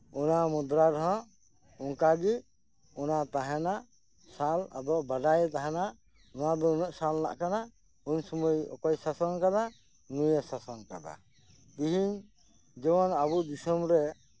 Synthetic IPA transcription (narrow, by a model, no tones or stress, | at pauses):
ɔnamud̪ɾaɾɦɔ̃ | ɔŋkaɡi | ɔnat̪aɦɛna | sala̰d̪ɔʔbaɖajt̪aɦɛna | nɔwab̪ɔunɔʔsalna̰ʔkana | uɲsɔmujɔ̰kɔjsasɔnkad̪a | nujɛsasɔnka̰d̪a̰ | k̪iɦiɲ | d͡ʒɛwɔnabud̪isɔmɾɛ